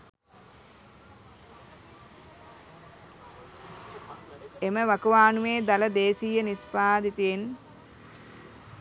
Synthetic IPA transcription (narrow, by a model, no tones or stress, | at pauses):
eməʋakuʋaːnumeːd̪aləd̪eːsijənispaːd̪it̪ujen